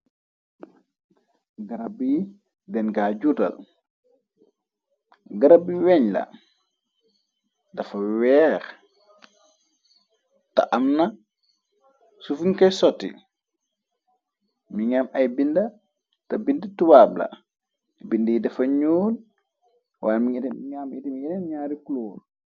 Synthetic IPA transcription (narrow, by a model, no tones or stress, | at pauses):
ɡaɾabiji | dɛnɡaɟudɐ̰l | ɡaɾabiwɛɲla̰ | dɐfawɛːɾ | ta̰ʔamna | sufunkɛjsɔtːḭ | miɲamʔajbinda | tabindɐtuwabla̰ | bindɐjidɐfɐɲoːn | waːjmiamitimiinɛnɲaːɾikuloːl